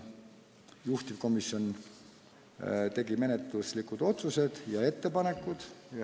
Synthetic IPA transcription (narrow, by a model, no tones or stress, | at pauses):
juht̪ip̚ko̞misːjo̞n | t̪e̞ɡime̞net̪ˑluslikud̪̥o̞t̪suse̞d̪̥jɑe̞t̪ːe̞pɑne̞kːˑud̪̥j